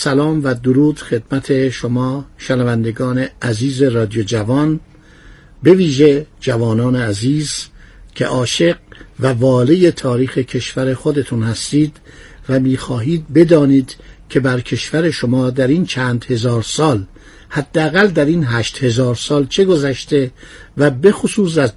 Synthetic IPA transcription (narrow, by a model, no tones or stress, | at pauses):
sælɒːmvæd̪oɾuːd̪̥xe̞d̪mæt̪ʰe̞ʃomɒːʃenævænd̪eɡɒːne̞ʔæziːze̞ɾɒːd̪ijod͡ʒævɒn | be̞viːʒe̞d͡ʒævɒːnɒːneæziːzcʰe̞̰ʔɒːʃe̞ɡ̚vævɒːleje̞t̪ʰɒːɾiːxe̞cʰe̞ʃvæɾe̞xod̪e̞t̪ʰunhæst̪iːd̪̥ | væmiːxɒːɦiːd̪̚be̞d̪ɒːniːd̪̥kʰe̞bæɾkʰe̞ʃvæɾe̞ʃo̞mɒːd̪æɾiːnt͡ʃʰæːnd̪he̞zɒːɾsɒːl | hæd̪ːeæɣæld̪æɾiːnɦæːʃt̪he̞zɒːɾsɒːlt͡ʃʰe̞ɡo̞zæʃt̪e̞væbe̞xosuːs̬æz